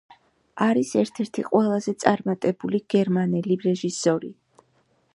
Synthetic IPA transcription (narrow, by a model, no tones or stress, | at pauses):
aɾisɛɾt̪ʰɛɾt̪ʰiqʼwɛlˠazɛt̪sʼaɾmat̪ʼɛbuliɡ̥ɛɾmanɛliɾɛʒisɔɾḭ